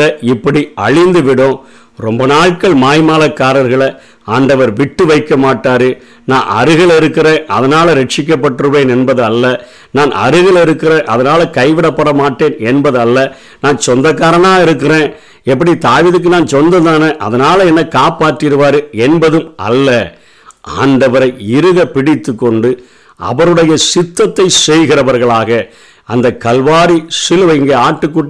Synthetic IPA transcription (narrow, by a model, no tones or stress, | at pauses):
ɐɪpːɐɽiɐɻɪnd̪ɯʋɪɽõ | ɾɔmbɐnaːɻkɐɭmaːjmaːlɐkːaːɾɐɾɣɐɭɐ | aːɳɖɐʋɐɾʋɪʈːɯʋɐɪkːɐmaːʈːaːɾɯ | nã̰ːʔɐ̰ɾɯɣɐɭɪɾɯkːɪɾẽːɐ̰ðɐnaːlɐɾɛʈt͡ʃɪk̬ːɐpːɐʈːɯɾɯʋeːnɛnbɐðɯɐlːɐ | naːnɐ̰ɾɯɣɐɭɪɾɯkːɪɾẽːʔɐðɐnaːlɐkɐɪʋɪɽɐpːɐɽɐmaːʈːeːnɛnbɐðɯɐlːɐ | naːnt͡ʃɔnd̪ɐkːaːɾɐnaːɪɾɯkːɪrẽː | ɛp̬ːɐɽit̪aːʋiːðɯk̬ːɯnaːnt͡ʃɔnd̪ɐt̪aːnɐʔɐ̰ðɐnaːlɐɛnːɐkaːpaːʈːɪɾɯʋaːɾɯɛnbɐðɯmɐ̰lːɐ | ʔa̰ːɳɖɐʋɐɾɐɪɪɾɯɣɐpɪɽɪt̪ːɯkːɔɳɖɯ | ɐ̰ʋɐɾɯɽɐjɐsɪt̪ːɐt̪ːɐɪsɛjɣɪɾɐʋɐɾɣɐɭaːɣɐ | ɐnd̪ɐkɐlʋaːɾisɪlɯʋɐɪŋɡeːaːʈːɯkːʊʈː